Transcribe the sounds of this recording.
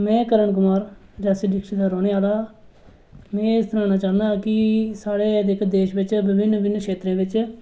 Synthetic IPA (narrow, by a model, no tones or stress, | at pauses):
mɛ̃ːkəɾəɳk̬ʊmaːɾd͡ʒaːsiɖɪkʃid̪aːɾoːneːaːlaː | mɛ̃ːɪst̪əɾãːnaːt͡ʃãːnd̪aːkɪsaːɽeːd̪ɪkd̪eːʃʋɪt͡ʃbɪbɪnːbɪnːkʃeːt̪ɾẽːʋɪt͡ʃ